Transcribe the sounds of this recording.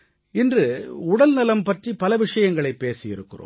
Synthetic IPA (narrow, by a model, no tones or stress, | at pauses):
ɪndrɯʊɽɐlnɪlɐmpɐʈripɐlɐʋɪʂɐjɐŋɡɐɭɐɪpːeːsɪjɪɾɯkːɯro̰ː